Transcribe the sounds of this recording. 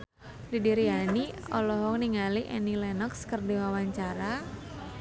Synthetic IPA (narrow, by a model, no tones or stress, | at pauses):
lidiɾiɦaniɔ̰lɔɦɔkniŋaliʔɛnilɛnɔkskərdiwawaɲt͡ʃaɾa